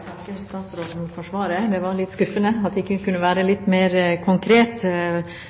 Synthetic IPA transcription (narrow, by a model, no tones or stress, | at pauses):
ɑŋkəst̪ɑːt̪sɾoːd̪n̩fɔʂʋɑːɾəd̪ɛʋɑɾlɪt̪skʉfənəɑt̪̚d̪ɛɪkːəkʰʉnːəʋæːɾəlɪt̪ːmeːɾkʰʊŋkʰɾeːt̪